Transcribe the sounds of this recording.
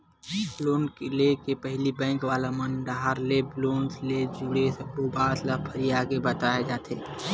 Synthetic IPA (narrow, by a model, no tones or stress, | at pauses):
loːnkelekepɛɦlibɛ̃ːŋkʋaːlamɐnɖaɦaɾlebloːnsled͡ʒuɽesɐbobaːt̪ləpʰəɾijaːkebət̪aːed͡ʒaːt̪ʰeː